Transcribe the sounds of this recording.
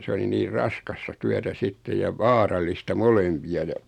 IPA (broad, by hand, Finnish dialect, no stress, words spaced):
s oli niːr rɑskɑstɑ tyætæ sitːej jɑ ʋɑːrɑi̥ˑistɑ molempiɑ jɑ